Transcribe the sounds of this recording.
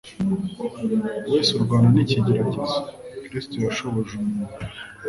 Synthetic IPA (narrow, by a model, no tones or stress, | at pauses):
weːsuɾɡwaːnaniciɟeɾaɟezekɾistojaʃo̞βoʒumu